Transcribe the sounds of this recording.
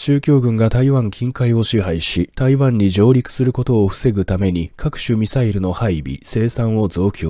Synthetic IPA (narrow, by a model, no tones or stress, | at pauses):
t͡ɕɨːkʲo̞ːɡɯ̟̃ŋɡat̪aiβãŋkʲĩŋkaio̞ɕiɦaiɕit̪aiβãɲ̟ːiʑo̞ːɾʲikɯ̟̥sɨɾɯ̟ko̞t̪o̞ːɸɯ̟̥se̞ɡɯ̟t̪ame̞ɲ̟ikʰakɯ̟̥ɕɨmʲisaiɾɯ̟no̞haibʲḭse̞ːsãɰ̃o̞zo̞ːkʲʰo